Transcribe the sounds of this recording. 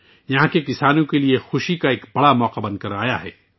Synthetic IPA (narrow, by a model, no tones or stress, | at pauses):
jɐɦãkekɪsaːnõkeliexʊʃikaeːkbɐɽamɔːqabɐ̃nd̪̚kɐɾaːjaɦɛ̰ː